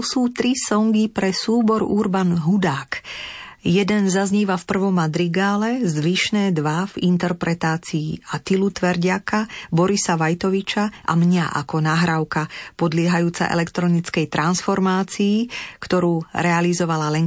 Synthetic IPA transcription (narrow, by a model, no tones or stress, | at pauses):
suːt̪ɾisɔŋɡipɾɛsuːbɔɾuɾbanɦud̪aːk | jɛd̪ɛnzazɲiːʋafpr̩ʋɔmːad̪ɾiɡaːlɛzʋiʃnɛːd̪ʋavint̪ɛɾpɾɛt̪aːt͡siːat̪ilut̪ʋɛɾɟɪakabɔɾisaʋajt̪ɔʋit͡ʃaʔa̰mɲaʔa̰kɔnaːɦɾaʊkapɔd̪lɪɛɦajuːt͡sa̰ʔɛ̰lɛkt̪ɾɔnit͡skɛjt̪ɾansfɔɾmaːt͡siːkt̪ɔɾuːɾɛalizɔʋalalɛŋ